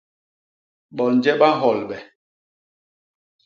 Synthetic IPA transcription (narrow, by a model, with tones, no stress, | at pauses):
ɓɔ˨n̩˨d͡ʒɛ˦ɓa˦ɦɔ˨lɓɛ˨